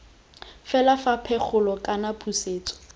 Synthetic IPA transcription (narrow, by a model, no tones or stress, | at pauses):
fɛlafapʰɛk͡xʰʊlɔkʼanapʰuseːt͡sʼɔ̥